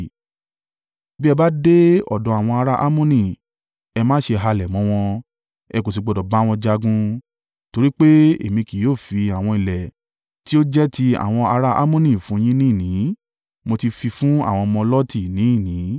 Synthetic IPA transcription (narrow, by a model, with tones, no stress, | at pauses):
bi˦ɛ˧ba˦de˦ɔ̰˦˨dɔ̃˨˧˦a˨w̃ɔ̃˧a˧ɾa˦ʔa˦mõ˦nĩ˨ | ɛ˧mãː˦ʃe˧ɦa˧lɛ˨mɔ̃˧w̃ɔ̃˧ | ɛ˧ko˨s̬i˨ɡ͡bɔ˨dɔ˨ba˨˦w̃ɔ̃˧d͡ʒa˧ɡũ˧ | to˧ɾi˦k͡pe˦ḛ˦˨mĩ˧ki˨joː˦˨fi˧a˨w̃ɔ̃˧i˨lɛ˨ | ti˦o˦d͡ʒɛ˦ti˧˦a̰˨w̃ɔ̃˧a˧ɾa˦ʔa̰˦mõ˦nĩ˦˨fũ˨˦j̃ĩ˦nĩ˦˨nĩ˨˦ | mo˧ti˧fi˧fũ˦a̰˦˨w̃ɔ̃˧mɔ̃˧lɔ˦ti˦˨nĩ˨˦i˦˨nĩ˨˦